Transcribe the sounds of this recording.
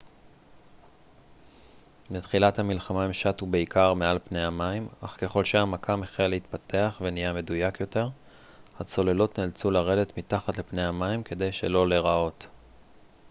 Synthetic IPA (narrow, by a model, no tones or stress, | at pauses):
mit̪χilathamilχamaimʃatube̞ikʰaʁmealpne̞jamaimaχke̞χo̞lʃeamakʰameχelehit̪pate̞aχve̞nijame̞dujakjo̞te̞ʁ | hat͡so̞le̞lotnelt͡sulaʁe̞d̪e̞tmitaχatlepne̞jamaimke̞d̪e̞jʃelo̞le̞ʁao̞t